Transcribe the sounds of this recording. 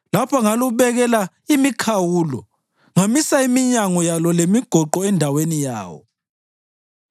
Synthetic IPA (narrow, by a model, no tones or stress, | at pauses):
lapʰaŋaluβɛɣɛla | imikʰawuːlɔ̰ | ŋamisaimiɲaŋɔjalɔlemiɡ̥ʱɔǃɔɛndʱawenija̰ːwɔ̰